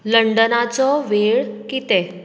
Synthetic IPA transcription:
ləɳɖənat͡sɔʋeɭkit̪e

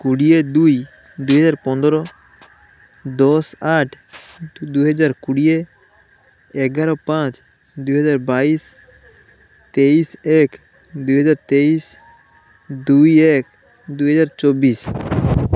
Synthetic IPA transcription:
kuɽijed̪ui | d̪uɦəd͡ʒaːɾpɔ̃nd̪ɾɔ | d̪ɔːsaːʈʰ | d̪uɦəd͡ʒaːɾkuɽije | ɛɡaːɾɔpãːt͡ʃ | d̪uɦəd͡ʒaːɾbaːiːs | t̪eːiːseːk | d̪uɦəd͡ʒaːɾt̪eːiːs | d̪uieːk | d̪uɦəd͡ʒaːɾt͡ʃɔːbiːs

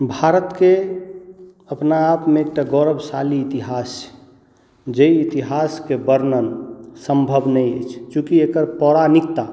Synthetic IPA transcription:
bʱaɾət̪ke | əpnaːpmẽek̚ʈaɡɔɾəbʱsaliːt̪iɦas | d͡ʒəiːt̪iɦaskebəɾnənsə̃mbʱəbnəiət͡ʃʰt͡ʃũkiekəɾpɔɾanikt̪a

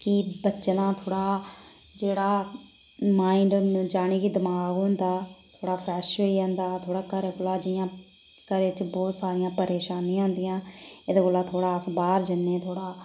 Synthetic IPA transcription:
kɪbətːt͡ʃnãːt̪ʰoːɽaː | d͡ʒeːɽaː | maːĩɳɖd͡ʒaːɽ̃iːkiːd̪əmaːɡɦõnd̪aːt̪ʰoːɽaːpʰɾɛːʃoːiːãːnd̪aːt̪ʰoːɽaːkəɾeɡolaːd͡ʒɪjãː | kəɾeːt͡ʃbɔːt̪saːɾɪjãːpəɾeːʃaːnĩãːɦʊ̃nd̪ɪjãːed̪ɡolaːt̪ʰoːɽaːəsbaːɾd͡ʒənːeːt̪ʰoːɽaː

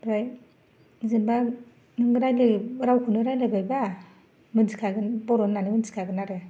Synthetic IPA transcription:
bɾaj | zimba | nɯŋɡɯɾajleɾawkʰunɯɾajlabajba | mɯnzikʰaɡɯnboɾonːanimɯnzi̥kʰaɡɯnaɾe

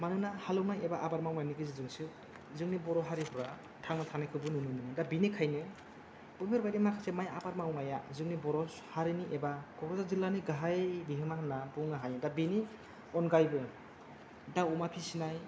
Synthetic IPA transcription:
manɯnahalɯwnajebaʔabaɾmawnajniɡɯzizɯŋsɯ | zɯŋnibɔɾɔɦaɾipɔɾa | tʰaŋnatʰanajkʰɯbɯnɯnɯnɯnɯdabinikʰajnɯ | b̥ɯbiɾbajdimakʰasemajabaɾmawnajazɯŋnibɔɾɔshaɾiniʔebakɔɾɔzazilaniɡaɦajbiɦɯmaɦanabɯŋnaɦajnɯdabini | ɔnɡajbɯ | dawumapʰisinaj

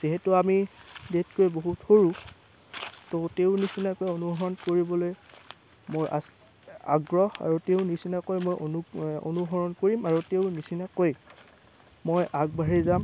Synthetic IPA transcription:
z̥iɦɛtʊamidetkojboɦuthoɹu | toteʊnisinakojonuɡʱɔɹɔnkoɹibɔloj | mojʔa̰s | a̰ɡɹɔha̰ɹuteʊnisinakojmojʔonuo̰nuɦɔɹɔnkoɹimaɹuteʊnisinakoj | mojʔaɡ̚baɹizam

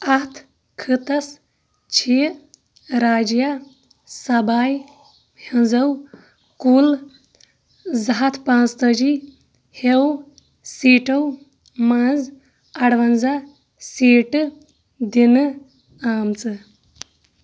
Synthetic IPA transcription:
ɐt̪ʰ | kʰɨt̪ɐs | t͡ʃʰiː | ɾaːd͡ʒja | sɐbaːj | hɐnzɐw | kuːl | zɐɦɐt̪ʰpãːst̪əd͡ʒi | hew | siːʈɐw | mãːz | ɐɽʋɐnza | siːʈɨ | d̪inɨ | aːmt͡sɨ

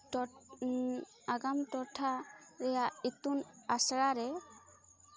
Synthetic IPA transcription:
ɔ | aɡamʈɔʈʰaɾɛjait̪unasɽaɾɛ

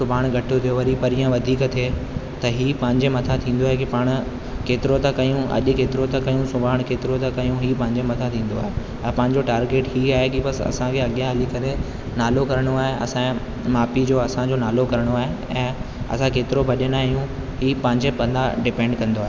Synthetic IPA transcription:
sʊbʱaːɽ̃ɡʱɐʈʰot̪ʰijoʋɐɾipɐɾijãʋɐd̪ʱiːkt̪ʰe | t̪ɐɦiːpɐ̃ɦɪ̃ɲd͡ʑemɐt̪ʰat̪ʰĩːn̆d̪oaːɦek̬ipaːɽ̃ʊ̆ | keːt̪ɪɾot̪ɐkɐjũɐ̰ʄʊkeːt̪ɪɾot̪ɐkɐijũsʊbʱaːəɽ̃keːt̪ɪɾot̪ɐkɐiũɦiːpɐ̃ɦɪ̃ɲd͡ʑemɐt̪ʰat̪ʰĩːn̆d̪oaːɦe | ɛ̃ːpɐ̃ɦɪɲd͡ʑoʈaːɾɡeːʈɦiːaːɦekibɐsɐ̰sãkʰeɐɠjãɦɐlikɐɾe | naːlokɐɾəɽ̃oaːɦeɐ̰sã | maːpid͡ʑoːɐsãd͡ʑonaːlokɐɾəɽ̃oaːɦe | ɛ̃ː | ɐ̰sãkeːt̪ɪɾobʱɐʄənaːijũ | ɦiːpɐ̃ɦɪ̃ɲd͡ʑepɐ̃nd̪aɖɪpɛ̃ːɳɖkɐ̃nd̪oaːɦe

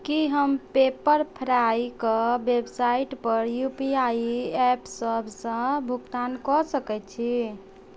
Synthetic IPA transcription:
kiɦəmpepəɾpʰəɾaikɔbebsaiʈpəɾjupiaɛpsəbʱsə̃bʱukt̪ankɔsəkɛt͡ʃʰi

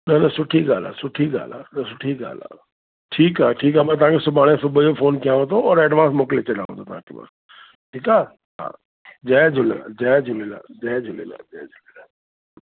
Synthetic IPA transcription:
nɐnəsʊʈʰiɡaːla̰ːsʊʈʰiɡa̰ːla̰ːnɐsʊʈʰiɡa̰ːla̰ː | ʈʰiːkaːʈʰiːkaːmɛ̃ːt̪ʊɦãːkesʊbʱaːɽ̃ẽsʊbʱd͡ʒofʰoːnkijãɦõd̪oɔːɾɛːɖʋãːnsmoːklet͡ɕelã̰ːɦõ̰ːd̪oːt̪ʊɦãːkḛbə̰s | ʈʰiːkaː | ɦã̰ː | d͡ʒɛːd͡ʒʱʊla̰d͡ʒɛːd͡ʒʊlela̰ːd͡ʒɛːd͡ʒʱʊlḛla̰d͡ʒɛːd͡ʒʱʊlelaː

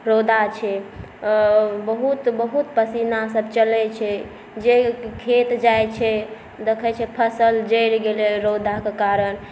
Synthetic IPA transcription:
ɾod̪ʱat͡ʃʰɛ | bəɦut̪bəɦut̪pəsinasəbt͡ʃəlɛt͡ʃʰɛ | d͡ʒekʰet̪d͡ʒajt͡ʃʰɛ | d̪ekʰɛt͡ʃʰɛpʰəsəld͡ʒəjɾɡelɛɾod̪ʱakekaɾən

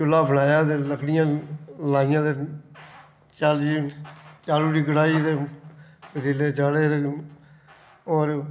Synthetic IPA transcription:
t͡ʃʊlːaːbʱəlaːjaːd̪eːləkɽɪjãːlaːɪjãːd̪e | t͡ʃaːld͡ʒiːt͡ʃaːluːɽiːkəɽaːiːd̪e | d̪ileːd͡ʒaːɽeːɾ | oːɾ

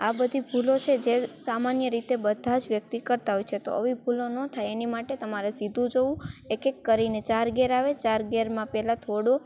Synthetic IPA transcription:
abəd̪ʱibʱulot͡ʃʰed͡ʒesamanjəɾit̪ebəd̪ʱad͡ʒʋjək̚t̪ikəɾt̪aɦojt͡ʃʰet̪o̰əʋibʱulonət̪ʰajenimaʈet̪əmaɾesid̪ʱũd͡ʒoũekekːəɾinet͡ʃaɾɡeɾaʋet͡ʃaɾɡeɾmãpɛɦlat̪ʰoɽo

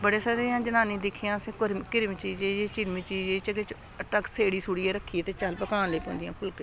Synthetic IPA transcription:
bəɽeːsaːɾeːãːd͡ʒənaːnĩːd̪ɪkʰːijãːsẽːkʊɾkɪɾmt͡ʃiːd͡ʒed͡ʒeːt͡ʃɪɾmiːt͡ʃiːd͡ʒet͡ʃəket͡ʃ | əʈəkseːɽiːsuːɽiːeːɾəkʰːiːt̪eːt͡ʃəlpəkãːnləːpõːnd̪ɪjãːpʰʊlk

